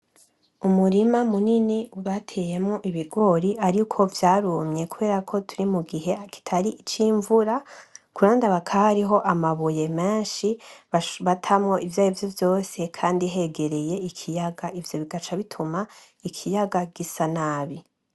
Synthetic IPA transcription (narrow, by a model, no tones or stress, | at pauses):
umuɾimamuniniuβatʰe̞je̞mŋo̞ʔiβiɡo̞ɾiʔaɾikʰo̞vjaːɾumɲe̞kuβe̞ːɾakʰo̞tʰuɾimuɡiɦe̞aki̥tʰaɾiʔːt͡ʃiɱvuɾakuɾaːndaβakʰahaɾiɦo̞ʔamaβuje̞me̞ːnʃiββatʰamŋo̞ʔivjaːjovjo̞vjo̞ːse̞kʰaːndiɦe̞ɡe̞ɾe̞je̞ikʰijaɡaivjo̞βiɡat͡ʃaβitʰuma | ikʰijaɡaɡ̥isanaβi